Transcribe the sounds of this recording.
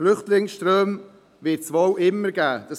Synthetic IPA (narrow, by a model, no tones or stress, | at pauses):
lʏχtlɪŋsʃtɾøːm | vɪtt͡sʋɔwʔɪmːəɾɡæːd̥ɑs